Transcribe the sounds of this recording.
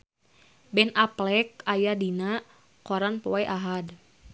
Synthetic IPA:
bɛnaplɛk̚ajadina | kɔɾanpɔɛʔaɦad

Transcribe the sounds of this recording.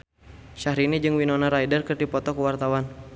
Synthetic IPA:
ʃaɦɾinid͡ʒɨŋwinɔnaɾajdərkərdipɔt̪ɔkəwart̪awan

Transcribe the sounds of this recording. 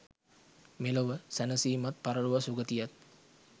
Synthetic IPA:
meloʋəsænəsiːmat̪̚paɾəɭuʋasuɡət̪ijat̪̚

